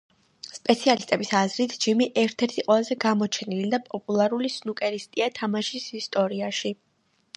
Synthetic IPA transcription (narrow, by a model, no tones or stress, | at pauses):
spʼɛt̪sʰialist̪ʼɛbisazɾit̪ʰd͡ʒimiʔɛɾt̪ʰɛɾt̪ʰiqʼwɛlˠazɛɡamɔt͡ʃʰɛnilid̪apʼɔpʼulˠaɾulisnukʼɛɾist̪ʼiat̪ʰamaʃisist̪ʼɔɾiaʃi